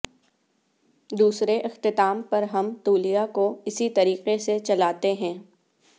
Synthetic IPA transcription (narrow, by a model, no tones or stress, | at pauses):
d̪uːsɾeʔɪxt̪ɪt̪aːmpɐɾɦɐmt̪uːlijakoɪsit̪ɐɾiːqeset͡ʃɐlaːt̪eɦɛ̃ː